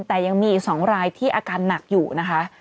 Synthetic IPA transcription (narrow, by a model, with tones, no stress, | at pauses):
nt̪ɛː˨˩ja˧ŋmiː˧sɔː˩˦ŋɾaː˧jt̪ʰiː˥˩ʔaː˧kaː˧nːa˨˩k̚juː˨˩na˦˥kʰa˦˥ʔ